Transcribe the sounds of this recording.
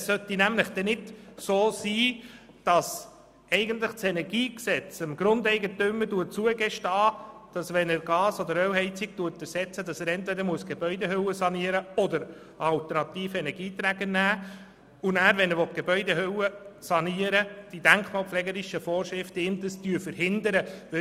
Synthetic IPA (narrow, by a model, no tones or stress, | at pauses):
ssœt̪inæmləχd̥ɛnɪdsoːsiː | d̥ɑs | ɛɪɡəntləχt͡sɛnɛɾɡiːksɛt͡səmɡɾʊnd̪ɛɪɡətʏmːəduət͡suəɡɛʃtɑːd̥ɑsʋɛnəɾɡɑːsɔd̪əɾœwɦɛɪt͡siɡ̥̚tuətɛɾsɛt͡sədɑsæɾɛntvɛdəɾmuəsɡ̥ebœʏdeɦøwəsɑniəɾəɔd̪əɾ | ɑlt̪əɾnɑt̪iːfɛnɛɾɡiːt̪ɾæɡənæː | unæːɾʋɛnɛɾʋɔt̚ɡ̥ebœʏdeɦøwəsɑniəɾəd̥id̥æŋkχmɑːlpflɛɡəɾiʃəfɔːɾʃɾɪftəɪmd̪əstyːfəɾhɪnd̪əɾəʋɪ